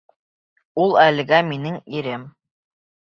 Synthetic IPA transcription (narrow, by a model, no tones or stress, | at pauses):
ulˠælɘ̆ɡæminɘŋiɾɘm